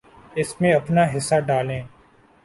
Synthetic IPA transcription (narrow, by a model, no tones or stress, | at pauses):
ɪsmẽɐpnaɦɪsːaːɖaːlẽː